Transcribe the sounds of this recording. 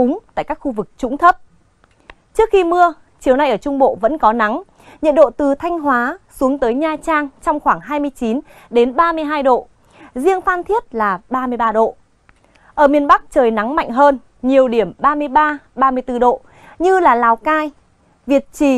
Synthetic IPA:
ʊ˨˦ŋ͡mt̪a̰ː˧˨jkaː˦˥k̚xu˧vɨ˨˩k̚t͡ɕʊ̰˧˥ŋ͡mt̪ʰə˦˥p̚ | t͡ɕɨ˦˥ək̚xi˧mɨ˧ə | t͡ɕi˨˩əwna˧jʔəː˧˩t͡ɕʊ˧ŋ͡mɓo̰˧˨və̰˧˥nkɔ˨˦na˨˦ŋ | ɲə̰˧˨nɗo̰˧˨t̪ɨ˨˩t̪ʰa˧jŋ̟ɦwaː˨˦su˨˦əŋt̪əː˨˦jɲaː˧t͡ɕaː˧ŋt͡ɕɔ˧wŋ͡mxwaː˧˩ŋɦaː˧jmɨ˧əjt͡ɕi˨˦n | ɗe˨˦nɓaː˧mɨ˧əjɦaː˧jɗo̰˧˨ | zi˧əŋfaː˧nt̪ʰi˦˥ət̚laː˨˩ɓaː˧mɨ˧əjɓaː˧ɗo̰˧˨ | ʔəː˧˩mi˧ənɓa˦˥k̚t͡ɕəː˨˩jna˨˦ŋma̰˧˨jŋ̟ɦəː˧n | ɲi˨˩əwɗi˧˩əmɓaː˧mɨ˧əjɓaː˧ɓaː˧mɨ˧əjt̪ɨ˧ɗo̰˧˨ | ɲɨ˧laː˨˩laː˨˩wkaː˧j | vi˨˩ət̚t͡ɕi˧˩

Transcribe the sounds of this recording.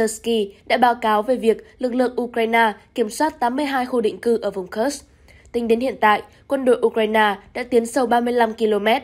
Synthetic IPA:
ə˧ski˧ɗa̰ː˧˥ɓaː˨˦wkaː˨˦wve˨˩vi˨˩ək̚lɨ˨˩k̚lɨ̰˧˨əŋʔu˧kwaː˧jnaː˧ki˧˩əmswaː˦˥t̚t̪aː˨˦mːɨ˧əjɦaː˧jxu˧ɗḭ˧˨ŋ̟kɨ˧ʔəː˧˩vʊ˨˩ŋ͡mxə˦˥s | t̪ï˨˦ŋ̟ɗe˨˦nhḭ˧˨ənt̪a̰ː˧˨jʔ | kwə˧nɗo̰˧˨jʔu˧kɹaː˧jnaː˧ɗa̰ː˧˥t̪i˨˦ənsə˧wɓaː˧mɨ˧əjla˧mki˧lo˧mɛ˦˥t̚

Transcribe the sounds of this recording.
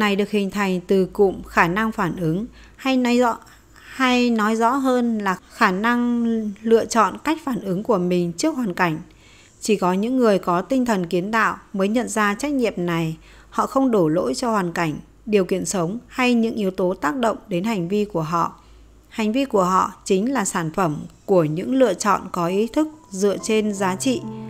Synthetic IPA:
na˨˩jɗɨ˨˩ək̚hï˨˩ŋ̟t̪ʰa˨˩jŋ̟t̪ɨ˨˩kʊ̰˧˨ŋ͡mxaː˧˩na˧ŋfaː˧˩nʔɨ˨˦ŋ | ha˧j | ha˧jnɔ˨˦jzɔ̰˧˥ɦəː˧nlaː˨˩xaː˧˩na˧ŋlɨ̰˧˨ət͡ɕɔ̰˧˨nka˦˥jk̟̚faː˧˩nʔɨ˨˦ŋku˧˩əmï˨˩ŋ̟t͡ɕɨ˦˥ək̚ɦwaː˨˩nka˧˩jŋ̟ | t͡ɕi˧˩kɔ˨˦ɲɨ̰˧˥ŋːɨ˨˩əjkɔ˨˦t̪ï˧ŋt̪ʰə˨˩nki˨˦ənt̪a̰ː˧˨wməː˨˦jɲə̰˧˨nzaː˧t͡ɕa˦˥jk̚ɲḭ˧˨əmna˨˩j | hɔ̰˧˨xə˧wŋ͡mɗo˧˩lo̰˧˥jt͡ɕɔ˧hwaː˨˩nka˧˩jŋ̟ | ɗi˨˩əwkḭ˧˨ənsə˨˦wŋ͡mha˧jɲɨ̰˧˥ŋʔi˨˦əwt̪o˨˦t̪aː˦˥k̚ɗə̰˧˨wŋ͡mɗe˨˦nha˨˩jŋ̟vi˧ku˧˩əɦɔ̰˧˨ | ha˨˩jŋ̟vi˧ku˧˩əɦɔ̰˧˨t͡ɕï˨˦ŋ̟laː˨˩saː˧˩nfə˧˩mku˧˩əɲɨ̰˧˥ŋlɨ̰˧˨ət͡ɕɔ̰˧˨nkɔ˨˦ʔi˨˦t̪ʰɨ˦˥k̚zɨ̰˧˨ət͡ɕe˧nzaː˨˦t͡ɕḭ˧˨

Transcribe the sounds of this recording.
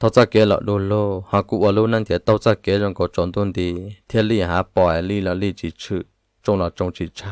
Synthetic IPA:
t̪ʰo˧˦t͡sa˦˨ke˨˦lɔ̰˨ʔdu˧loː˦hã˧kʷu˦˧ʔwa˧luː˦nã˦nt̪ʲe˨˦t̪o˦t͡sa˦ke˨˦ʒõ˧ŋko˨t͡ʃo˨nd̪u˦nd̪i˧t̪ʰe˦li˦˧˨ɦã˨˦pɔ˧˨e˨li˦˧lɔ˧li˦˧t͡ʃi˧˨t͡ʃʰi˧˨ | t͡ʃõ˧la˧˨t͡ʃõ˧t͡ʃi˧˨t͡ʃʰa˦˧

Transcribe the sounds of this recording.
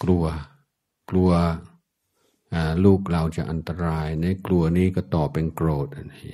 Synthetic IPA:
klu˧ɐ | klu˧ɐ | ʔaː˨˩luː˥˩k̚la˧wt͡ɕa̰˨˩ʔa˧nt̪a˧ɾaː˧jna˧˥˩klu˧ɐniː˦˥˩kɔː˥˩t̪ɔː˨˩pːe˧nkɾoː˨˩t̪̚ha˧˩na˦˥˩j

